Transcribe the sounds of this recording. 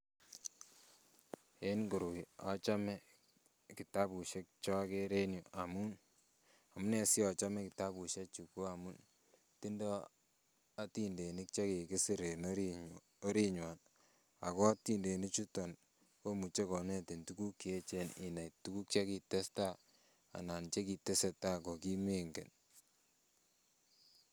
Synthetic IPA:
e˦nɡo˨ɾi˨a˦t͡ʃa˦mɛ˦ | ki˨ta˦pu˨ʃe˦k̚t͡ʃɔ˦ke˦ɾe˦nu˨a˨mu˦n | a˨mu˦ne˨si˦ɔ˨t͡ʃa˦mɛ˦kɪ˨ta˦pu˨ʃe˦t͡ʃu˨ku˦a˨mu˦n | ti˦ndɔ˦ | a˦ti˦nde˨ni˦k̚t͡ʃe˦ki˨kɪ˦si˦ɾe˨noɾi | o˦ɾi˦ɲwa˨n | a˨kɔ˦ti˦nde˨ni˦t͡ʃu˦tɔ˨n | ko˦mu˨t͡ʃe˦kɔ˨ne˦ti˨ntu˦ku˦kːi˨e˦t͡ʃe˦nɪ˨na˨itu˦ku˦k̚t͡ʃa˦ki˨tɛ˦sta˦ | a̰˨na˨nt͡ʃe˦ki˨tɛ˦sɛ˨ta˦kɔ˨ki˦me˦ŋɡḛ˨n

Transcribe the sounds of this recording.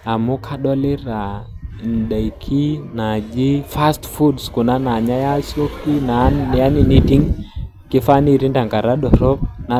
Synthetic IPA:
a˨mʊ˦kʰa˦ɗɔ˦lɪ˦ɾa˨n˨ɗa˨i˨kʰi˦na˨d͡ʒi˦fa˦stfu˦dskʊ˨na˦na˨ɲa˦ja˦so˦kːi˦na˨˦˨a˦ni˨ni˦ti˦ŋ | kɪ˦fa˦ni˦˨ɾi˦nda˨ŋɡa˨ɾa˦ɗɔ˨ɾɔ˦pna˨

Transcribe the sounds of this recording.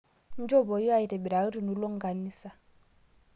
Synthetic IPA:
n̩˦d͡ʒɔ˦bɔ˨jɔ˦a˦˨i˨ɾɛ˨bɛ˨ɾa˨˦ɾi˨nu˨lɔ˦ŋ̩˦ɡa˨niː˦sa˨

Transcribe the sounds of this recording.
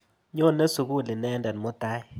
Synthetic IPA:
ɲo˦˨nɛ˦su˨ɡu˦˨li˨nɛ˦ndɛ˨nmo˦t̪a˦

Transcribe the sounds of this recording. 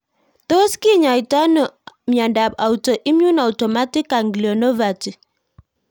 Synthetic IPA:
t̪o˦ski˦ɲa˨i˨ta˦nɔ˨mja˨nda˨pa˨u˨to˨ʔi˦mju˦na˨u˨tɔ˨ma˦ti˦ka˨ŋɡlo˨no˦va˨ti˨

